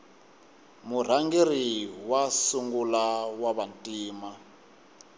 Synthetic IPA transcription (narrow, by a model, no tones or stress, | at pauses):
mur̤aŋɡeriwasuŋɡulawaβantʼiːma